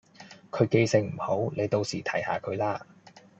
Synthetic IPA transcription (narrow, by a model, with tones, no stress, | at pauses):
kʰɵ˨˧ɥke˧jsɪ˧ŋm̩˨˩ho˨˥wne˨˧jt̪o˧wsiː˨˩t̪ʰɐ˨˩jha̰ː˨˧kʰɵ˨˧ɥlaː˥